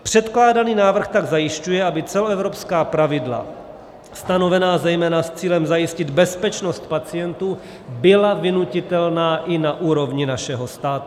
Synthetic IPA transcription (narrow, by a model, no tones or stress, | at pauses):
pr̥ɛt̪klaːdaniːnaːvr̩xt̪aɡzajɪʃcujɛabɪt͡sɛloɛvɾo̞pskaːpɾavɪdla̰ | st̪ano̞vɛnaːzɛjmɛːnast͡siːlɛmzajɪscɪd̪bɛspɛt͡ʃnost̪̚pat͡sɪjɛnt̪uː | bɪlavɪnucɪt̪ɛlnaːʔɪnaʔuːɾo̞vɲɪnaʃɛɦost̪aːt̪u̥